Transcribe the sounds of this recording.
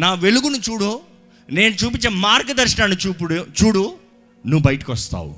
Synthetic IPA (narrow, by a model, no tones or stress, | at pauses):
naːʋe̞luɡunut͡ʃuːɽu | ne̞ːnut͡ʃuːp̬iɲt͡ʃːeːmaːɾɡɐd̪ɐɾʂɐɳaːnit͡ʃuːpuɽut͡ʃuːɽu | nuʋːbɐjɐʈi̥kʋɐst̪a̰ːwṵ